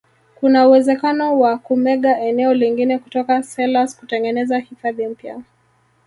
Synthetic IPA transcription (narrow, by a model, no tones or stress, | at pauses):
kunauwɛzɛkanɔwakumɛɠaʔɛnɛɔliŋɡinɛku̥tɔkasɛlasku̥tɛŋɡɛnɛzahifaðim̩pja̰